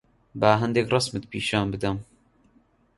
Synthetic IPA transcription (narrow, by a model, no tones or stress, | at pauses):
baːɦɛnd̪ekrɑsmɨt̪̚piːʃaːnbɨd̪ɐm